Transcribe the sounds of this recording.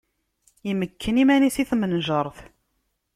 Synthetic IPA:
iməkʰːənimænisiθmənʒəɾˤθ

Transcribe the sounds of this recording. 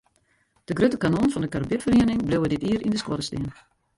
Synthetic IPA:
d̥əɡrøtəkanonfɔndəkarbɪtfəriənɪŋbløwədɪtiəɾʔindəskwɔɾəstiən

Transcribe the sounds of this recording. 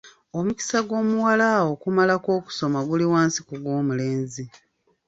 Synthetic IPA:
o̞muci̥saɡo̞ːmuwalawo̞kumalako̞ːku̥so̞maɡuliwaːnsikuɡwo̞ːmule̞ːnzi

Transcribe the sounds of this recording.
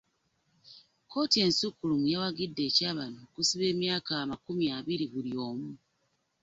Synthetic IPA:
ko̞ːtie̞nsukulumujewaɡidːe̞caːβanokusiβe̞ːmjaːkamakumjaβiɾiβulio̞ːmu

